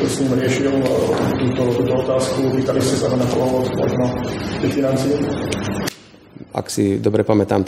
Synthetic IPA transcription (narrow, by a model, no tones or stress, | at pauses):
sɲiːmɾɪɛʃilt̪uːt̪ɔt̪uːt̪ɔɔt̪aːskupiːt̪aliscɛsaɦɔnaxɔ̰lɔɔtmɔ̰ʒnɔt̪ixfinant͡sii | a̰ksid̪ɔbɾɛpamɛt̪aːmt̪